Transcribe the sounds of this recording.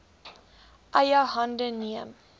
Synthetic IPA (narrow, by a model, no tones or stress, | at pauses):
ʔɐjəɦɐndəniəm